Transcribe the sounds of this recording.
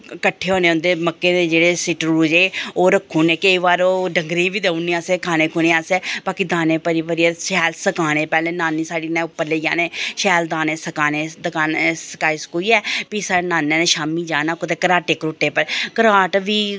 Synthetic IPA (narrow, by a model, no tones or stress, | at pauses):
kəʈʰːeːɦoːnẽːʊ̃nd̪eːməkːeːd̪ed͡ʒeːɽeːsɪʈɾuːd͡ʒeːoːɾəkʰːuːneːkəiʋaːɾoːɖəŋɡɾẽːbiːd̪eːunːĩːaːseːkʰaːnẽːkʰʊñẽːaːseːbaːkiːd̪aːnẽːpəɾipəɾiɛːʃɛːlsəkaːneːpɛːleːnaːnːĩːsaːɖiːnẽːpːəɾleːd͡ʒaːneːʃɛːld̪aːneːsəkaːneːd̪əkaːnsə̥kaːiːskuiːɛːpiːsaːnaːnːẽːneːʃaːmĩːd͡ʒaːnaːkot̪eːkəɾaːʈeːkɾoːʈːeːpəɾkəɾaːʈʋiː